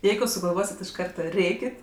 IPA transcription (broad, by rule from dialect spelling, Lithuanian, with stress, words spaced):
ˈjɛɪɡʊ sʊɡɐlˠˈʋoːsʲɪtʲ ɪʃ ˈkɐrtɐ ˈrʲeːkʲɪt